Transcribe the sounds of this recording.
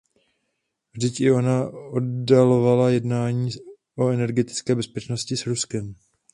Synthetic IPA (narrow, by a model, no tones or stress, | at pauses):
vʒdɪcɪo̞naoddalo̞valajɛdnaːɲiː | ʔoɛnɛɾɡɛt̪ɪ̥t͡skɛːbɛspɛt͡ʃno̞scɪsɾuskɛm